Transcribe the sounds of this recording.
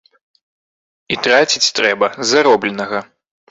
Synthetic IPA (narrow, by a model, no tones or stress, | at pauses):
it̪ɾat͡sʲit͡sʲt̪ɾɛbɐzaɾɔblʲɛnɐɣɐ